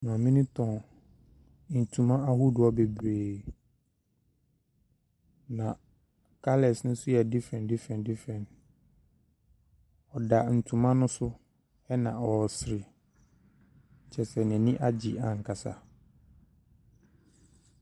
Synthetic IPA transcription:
nɔ̃˨mĩ˦nɪ̃˦tʰɔ̃˨ | n̩˨tʰũ˨mã˦a˦ɦu˦dʊ˨ɔ˦be˨bɾeː˨ | nã˨ | kʰa˦lɛ˨snʊ̃˦sʊ˦jɛ˨di˦fɾɛ̃˨ndi˦fɾɛ̃˨ndi˦fɾɛ̃˨nt | ɔ˨da˨n̩˨tʰũ˨mã˦nʊ̃˦sʊ˦ | ɛ˦nã˨ɔ˨sɾɪ˨ | t͡ɕʰɛ˨sɛ˨nɛ̃˨nɪ̃˦ʔa˦d͡ʑi˨ã˨ŋ̩˨kʰa˨sa̰˨

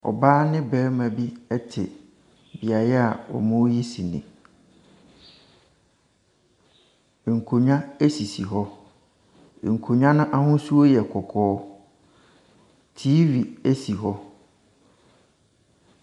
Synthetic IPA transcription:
ɔ̰˨baː˦nɪ̃˦bɛː˨˦mã˨bi˦ɛ˦tʰɪ̰˨ | bi˨a˨jɛ˦a˨ɔ̰˨mʊ̃˦ji˦si˨nɪ̰̃˨ | ŋ̩˨kʰo˨ɲã˦e˦si˨si˨ɦɔ˦˨ | ŋ̩˨kʰo˨ɲã˦nʊ̃˦ʔa˦hʊ̃˦su˦o˦jɛ˨kʰɔ˨kʰɔː˦ | tʰiː˦ɥi˨e˦si˨ɦɔ˦

